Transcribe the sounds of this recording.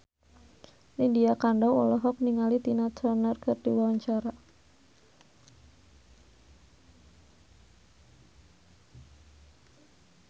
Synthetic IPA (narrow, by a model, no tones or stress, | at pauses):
lindiakaɳɖawɔlɔɦɔk̚niŋalit̪inat̪ɔnərkɨrd̥iwawaɲt͡ʃaɾa